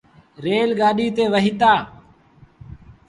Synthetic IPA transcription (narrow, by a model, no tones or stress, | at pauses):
ɾeːlɡaːɗiːt̪eːʋəɦiːt̪aː